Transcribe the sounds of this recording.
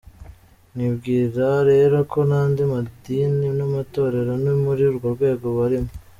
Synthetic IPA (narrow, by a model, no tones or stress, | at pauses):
nibɡiːɾaɾe̞ːɾo̞kʰo̞naːndimadiːninamato̞ːɾe̞ɾonimuɾiuɾɡo̞ɾɡwe̞ːɡo̞βaɾimo